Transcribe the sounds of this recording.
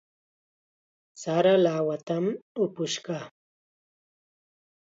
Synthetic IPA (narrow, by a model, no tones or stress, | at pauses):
saɾalaːwat̪amʊpʊʃka